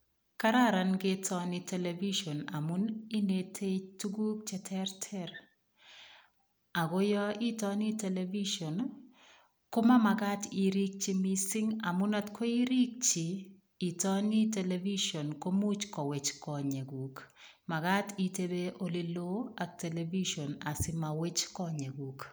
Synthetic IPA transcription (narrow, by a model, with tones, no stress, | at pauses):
kaɾa˦ɾa˨nɡɪtʰɔnɪ˦televi˦ʃo˨na̰˨mu˦ni˦netʰe˦tu˦ɡu˦k̚t͡ʃɛ˦tʰɛɾtʰɛɾ | a˨ɡo˦jɔ˦i˦tɔ˦ni˦te˨levi˦ʃo˨n | ko˦ma˦ma˨ɡa˦ti˨ɾi˦k̚t͡ʃi˦misɪ˦ŋa˨mʊ˦na˦tkʰo˦i˦ɾi˦k̚t͡ʃiː˨ | tɔ˦ni˦te˨levi˦ʃo˨nko˦mu˦t͡ʃkɔ˨we˨t͡ʃkɔ˨ɲe˨ɡu˨k | ma˨ɡa˦ti˦te˦be˦ʔo˦li˦lo˦a˨k̚te˨levi˦ʃo˨na˨sɪ˦ma˨we˦t͡ʃkɔ˦ɲe˨ɡu˨k